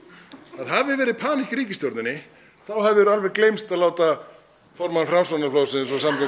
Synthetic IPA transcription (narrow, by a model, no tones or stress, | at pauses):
aðɦavɪvɛːɾɪðpʰaːnicɾiːcɪsjoɾt̪nɪnːɪ | θawɦɛvɪvɛɾʏalvɛɾklejmst̪aðlaːwt̪a | fɔɾmanfɾamsanaflowsɪnsɔsamka